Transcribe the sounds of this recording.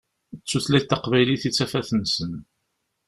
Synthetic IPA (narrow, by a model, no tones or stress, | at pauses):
t͡sːuθlæt̪ːɑqvæjliθit͡sːæfæθənsən